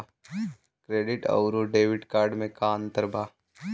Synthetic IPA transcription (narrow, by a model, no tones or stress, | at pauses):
kɾeːɖɪʈɐ̰ʊɾoɖeːʋɪɖkaːɾɖmẽkaːnt̪əɾbʱaː